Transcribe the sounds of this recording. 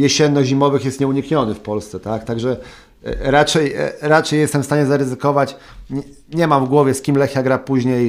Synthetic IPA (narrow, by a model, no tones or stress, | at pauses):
jɛɕɛnːɔʑimɔvɘxjɛst̪ɲɛuɲikɲɔnɘfpɔlst̪sɛt̪akt̪aɡʐɛ | ɾat͡ʂɛjɾat͡ʂɛjɛst̪ɛmfst̪aɲɛzaɾɘzɘkɔvat͡ɕ | ɲ | ɲɛmamvɡwɔvʲjɛskʲimlɛxʲjaɡɾapuʑɲej